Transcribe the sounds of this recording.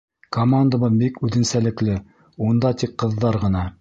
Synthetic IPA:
komand̪abɤbikʉðɘ̆nsælɘ̆klɘ | und̪ɑt̪ik̚ːɤ̆ðːɑɾʁɤ̆nɑ

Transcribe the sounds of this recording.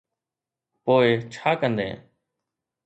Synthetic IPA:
poːeːt͡ʃʰaːkənd̪ḛ̃ː

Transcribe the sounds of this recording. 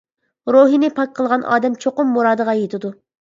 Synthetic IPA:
ɾoːɦinɪpʰɑk̚ʲqʰəlˠʁɑnʔɑ̰ːd̪ɛmt͡ʃʰoqʊmːuɾɑːd̪əʁɑjet̪ʰɪd̪u

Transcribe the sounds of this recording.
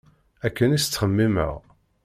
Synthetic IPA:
ækːənist͡sːχəmːimə̰ʁ

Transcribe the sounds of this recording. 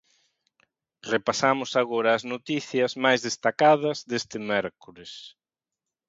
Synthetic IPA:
repasamʊsaɣoɾɐːznot̪iθjɐzmajzðest̪akað̞ɐzðest̪ɪmɛɾkules

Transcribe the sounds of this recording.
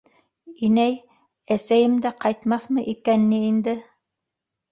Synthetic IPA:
inæj | æsæjɘmd̪æqɑjt̪mɑθmɤʔikænːɘind̪ɘ

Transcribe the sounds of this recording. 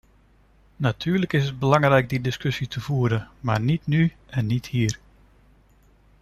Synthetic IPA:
natʰyːərləkɪsəd̚bəlɑŋrɛjk̚didɪskøsitʰəv̥uəɾəmarnitny | ɛnːithiər

